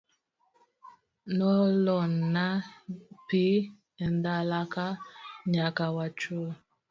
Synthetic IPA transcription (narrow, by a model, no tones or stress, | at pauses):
nɔlɔnapi | ɛndalakaɲakawat͡ʃu